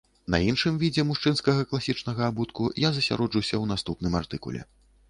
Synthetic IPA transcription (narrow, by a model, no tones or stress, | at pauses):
nɐ̰inʂɨmvʲid͡zʲɛmuʂt͡ʂɨnskɐɣɐklˠasʲit͡ʂnɐɣɐabut̪kujazɐsʲa̰ɾɔd͡ʐɨwsʲɐwn̪ast̪upnɨmart̪ɨkṵlʲɛ̰